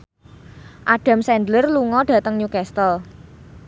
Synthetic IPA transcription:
ʔaɖ̥a̤msɛndlərluŋɔɖ̥ä̤t̪əŋɲukɛst̪əl

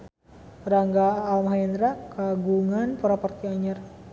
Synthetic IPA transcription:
ɾaŋɡaːlmɦandɾakaɡuŋanpɔɾapɔrt̪iaɲar

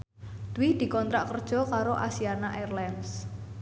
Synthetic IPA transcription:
d̪̥uwɪhd̪̥i̤kɔnt̪ɾaʔkərd̥ʒ̥ɔ̤kaɾoʔasianaʔɛrlans

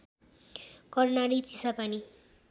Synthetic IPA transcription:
kʌrnaɾit͡sisapani

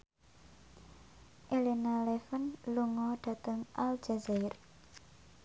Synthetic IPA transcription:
ʔelinalefənluŋɔɖ̥a̤t̪əŋʔald͡ʒazaɪr

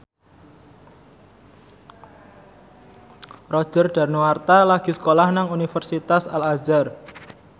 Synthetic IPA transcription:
rɔ̥ʒ̥ərɖ̥a̤rnowart̪alaɡ̥i̤sə̥kolahnaŋunifərsit̪asalazar

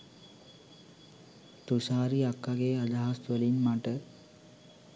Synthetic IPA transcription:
t̪usaːɾiakːaɡeːad̪aɦast̪ʋəlinmaʈə

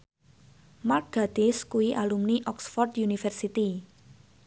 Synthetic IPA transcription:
marɡ̥ad̪̥ɪskuiʔalumniʔɔksfɔrt̪junifɛrsit̪i

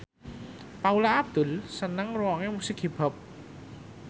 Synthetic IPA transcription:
paulaʔːb̚d̪̥ʊlsənaŋruwɔŋemusɪkɦib̥a̤p̚

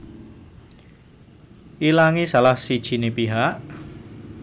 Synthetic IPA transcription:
ʔilaŋisalahsid̥ʒ̥i̤nepiɦaʔ

